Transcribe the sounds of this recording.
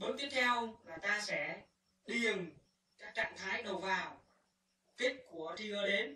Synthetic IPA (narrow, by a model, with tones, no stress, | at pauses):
ɓo˨˥nt̪i˦˥əp̚t̪ʰɛ˧wmaː˨˩t̪aː˧sɛ̰˧˥ | ɗi˨˩ə˩ŋ | kaː˦˥k̚t͡ɕa̰ː˧˨ŋt̪ʰaː˨˦jɗə˨˩wvaː˨˩w | t̪i˦˥ət̚ku˧˩ət̪ʰi˧əː˧ɗe˨˦n